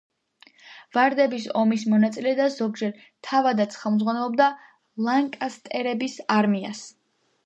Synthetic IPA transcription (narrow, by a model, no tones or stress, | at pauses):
vaɾd̪ɛbisɔmismɔnat̪sʼilɛd̪azɔɡ̚d͡ʒɛɾ | t̪ʰavad̪at̪sʰχɛlˠmd̪zʁwanɛlˠɔbd̪a | lˠaŋkʼast̪ʼɛɾɛbisaɾmia̰s